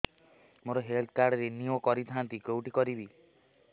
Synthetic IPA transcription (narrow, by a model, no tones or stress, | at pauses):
moɾɔɦelt̪̚ʰkaɾɖɔɾeniɔkɔɾit̪ʰãnt̪ikowʈikɔɾibi